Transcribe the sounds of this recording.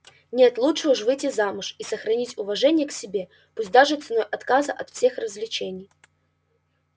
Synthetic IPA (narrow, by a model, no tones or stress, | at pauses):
nʲe̞t̪lˠutʂɨuʂvɨjtʲːɪzamʊʂisəxɾɐnʲitʲʊvɐʐɛnʲɪjəksʲɪbʲe̞ | pusʲt̚ʲd̪aʐɨt̪sɨno̞jʔɐt̪kazəʔɐt̪fsʲe̞xrəzʲlʲɪt͡ɕenʲɪj